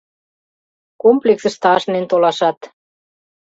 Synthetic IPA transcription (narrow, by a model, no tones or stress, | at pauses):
komplʲeksə̆ʃt̪ɑʃnent̪olɑʃɑt̪